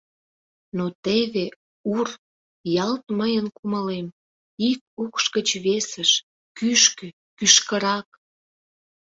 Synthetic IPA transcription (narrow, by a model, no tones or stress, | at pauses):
not̪eβe | ur | jɑlt̪məjənkuməlem | ik̚ukʃkət͡ɕβesəʃ | kyʃkø | kyʃkəɾɑk̚